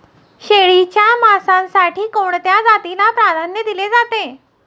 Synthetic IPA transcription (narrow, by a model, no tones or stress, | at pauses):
ɕeɭit͡ɕjamasãnsaʈiːkoɳt̪jad͡zat̪ilapɾad̪ʱanjəd̪iled͡zat̪e